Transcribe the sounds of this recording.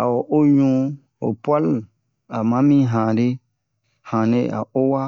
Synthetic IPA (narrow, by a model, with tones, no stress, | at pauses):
a˨wo˨ʔo˦ɲũ˦ | o˨pwa˦l | a˨mã˦mĩ˦ɦã˨ɾe˦ | hã˨ne˦a̰˨ʔo˦wa˦